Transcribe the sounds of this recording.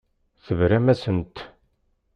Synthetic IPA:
θəvɾæmæsənt̪

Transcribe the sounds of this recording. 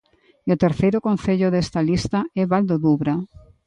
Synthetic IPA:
iot̪eɾθejɾʊkon̟θeʎoðest̪alist̪ɐɛβald̪oðuβɾa

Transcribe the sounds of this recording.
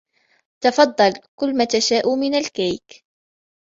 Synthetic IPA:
t̪ɑfɑd̪ˤːɑlkʊlːmat̪aʃaːʔuːmɪnalkajk

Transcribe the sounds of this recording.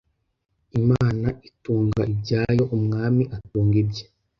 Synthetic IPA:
imaːnaituːŋɡaibɟaːjo̞ʔumŋaːmiʔatuːŋɡibje

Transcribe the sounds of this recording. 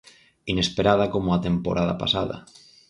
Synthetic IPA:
inespeɾað̞akomoat̪empo̰ɾʔaða̰pa̰saða̰

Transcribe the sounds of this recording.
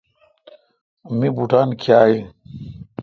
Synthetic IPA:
mibuʈaːnkʰiaːi

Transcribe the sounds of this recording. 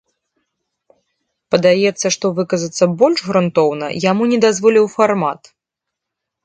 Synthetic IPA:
pɐd̪ajɛt̪sːɐʂt̪ɔvɨkɐzɐt̪sːɐbɔlʲʐɣɾunt̪ɔwnɐ̰jamunʲɛd̪azvɔlʲiwfarma̰t̪

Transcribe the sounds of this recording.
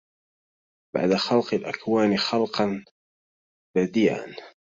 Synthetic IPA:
ba̰ʕd̪axɑlqɪlʔakwaːnxɑlqɑn | b̥ad̪iːʕa̰n

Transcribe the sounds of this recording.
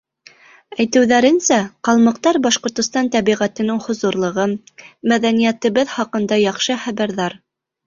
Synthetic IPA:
æjt̪ɘ̆wðæɾɘ̆nsæqɑlˠmɤ̆q̚t̪ɑɾbɑʃqŏɾt̪ŏst̪ɑnt̪æβiʁæt̪ɘ̆nɘŋhŏzŭɾlˠɤ̆ʁɤmæðænijæt̪ɘ̆βɘðχɑqɤ̆nd̪ɑjɑχʃɤχæβæɾðɑɾ

